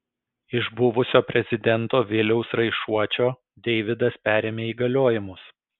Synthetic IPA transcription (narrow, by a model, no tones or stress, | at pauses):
ɪʒbʊʋʊsʲoːpʲɾʲɛzʲɪd̪ʲɛnt̪oːʋʲɪlʲɛʊsɾɐɪʃuɔt͡ʃʲoː | d̪ʲɛɪʋʲɪd̪ɐspʲæːɾʲeːmʲeːiːɡɐlʲoːjɪmʊs